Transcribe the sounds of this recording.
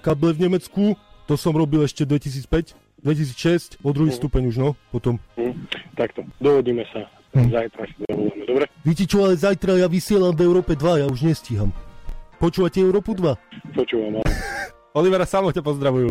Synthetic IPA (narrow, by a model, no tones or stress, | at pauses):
kablɛvɲɛmɛt͡skut̪ɔsɔmɾɔbilɛʃcɛd̪ʋɛcis̬iːt͡spɛc | d̪ʋɛcisiːt͡sʃɛscpɔd̪ɾuɦiːst̪upɛɲuʒnɔpɔt̪ɔm̩ | t̪akt̪ɔd̪ɔʋɔɟiːmɛsa | zajt̪ɾasiza̰bulamɛd̪ɔbɾɛʋicɛt͡ʃɔalɛzajt̪ɾajaːʋisɪɛlamvɛʊɾɔːpɛd̪ʋajauʒɲɛsciɦampɔt͡ʃuːʋacɛɛʊɾɔːpud̪ʋapɔt͡ʃuːʋama | ɔliʋɛɾasamɔcapɔzd̪ɾaʋuju